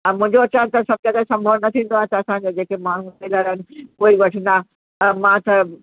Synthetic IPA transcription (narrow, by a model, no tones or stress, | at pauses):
ɐ̃mʊ̃ɦɪ̃ɲd͡ʑoɐt͡ɕãːnt̪ɐsɐb̚kẽd̪asɐ̃mbʱoɽnɐt̪ʰĩːn̆d̪oaːɐsaɐsãɲ̆d͡ʑod͡ʑeːkemaːɳ̤uteləɾɦɪnɪ̆poːiʋɐʈʰə̃nd̪a | mãt̪ɐ